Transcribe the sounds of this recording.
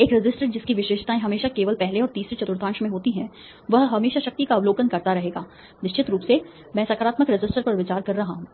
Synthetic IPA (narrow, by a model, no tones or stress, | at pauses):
eːkɾɪd͡ʒɪsʈəɾd͡ʒɪskiʋɪʃeːʃt̪aẽɦɐmeːʃakeːʋəlpɛɦleɔːɾt̪iːsɾet͡ʃɐt̪ʊɾt̪ʰãːnʃmẽɦoːt̪iɦɛ̃ | ʋɐɦɦɐmeːʃaʃɐk̚t̪ikaɐʋloːkənkɐɾt̪aɾɐɦeːɡaː | nɪʃt͡ʃɪt̪ɾuːpse | mɛ̃ːsakaːɾaːt̪məkɾɪd͡ʒɪsʈəɾpɐɾʋɪt͡ʃaːɾkɐɾːɐɦaɦũː